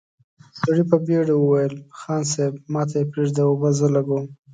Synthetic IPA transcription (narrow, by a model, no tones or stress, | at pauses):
saɽipəbeɽewəwajəlxɑnsebmɑt̪ajepɾeʐd̪aobazəlaɡom